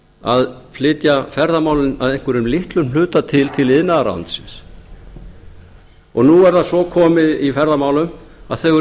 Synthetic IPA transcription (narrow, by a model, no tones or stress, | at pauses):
aðflɪt̪jafɛɾðamaːwlɪnaðejŋ̥kɛɾʏmlɪht̪lʏml̥ʏːt̪at̪ʰɪlt̪ʰɪlɪðnaðaɾa̰nt̪sɪns | ɔɣnuɛɾðasɔkʰɔːmɪðifɛɾðamaːwlʏm | a̰ðθœɣ